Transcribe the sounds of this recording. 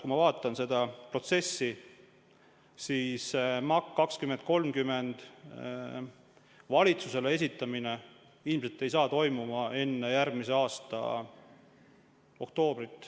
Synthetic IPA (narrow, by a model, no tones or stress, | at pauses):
kumɑvɑːt̪ːˑɑnse̞d̪̥ɑpro̞t̪se̞sːi | siːsmɑkːɑkskymend̪̚ko̞lmkyme̞nd̪̥ | vɑlʲit̪suse̞lees̬it̪ːˑɑmine | ilmse̞lt̪ːe̞js̬ɑːt̪o̞jmumɑe̞nːe̞jæɾɡ̚mise̞ɑːst̪ɑ̰ | o̞̰kt̪o̞ːbrit̪ːˑ